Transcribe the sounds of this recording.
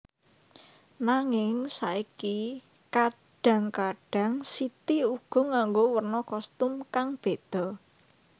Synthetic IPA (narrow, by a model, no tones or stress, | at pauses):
naŋɪŋsaiki | ka | ɖ̥ä̤ŋkaɖ̥ä̤ŋsit̪iuɡ̥ɔ̤ŋaŋɡowərnɔkɔst̪ʊmkaŋb̥e̤d̪̥ɔ̤